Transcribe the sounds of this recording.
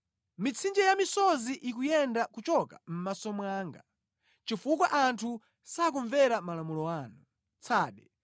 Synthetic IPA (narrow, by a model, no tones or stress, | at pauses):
mit͡sʰind͡ʒɛjamisɔziʔikujɛndakut͡ʃɔka̰m̩masɔmwaːŋɡa | t͡ʃifukwaʔantʰu | sakuɱvɛɾamalamulɔwaːnu | t͡sʰaːɗɛ